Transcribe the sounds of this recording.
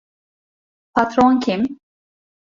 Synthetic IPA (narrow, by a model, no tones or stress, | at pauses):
pʰat̪ɾonkʲʰim